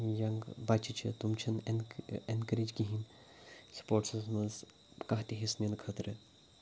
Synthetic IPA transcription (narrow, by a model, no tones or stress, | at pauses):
jɐŋɡbat͡ʃʰit͡ʃʰḭt̪umt͡ʃʰɐnḛnenkɐɾid͡ʒɡiɦin | spoːʈsɐzmɐnz | kɐɦt̪iɦesnʲjɐnkʰɐt̪ɾɨ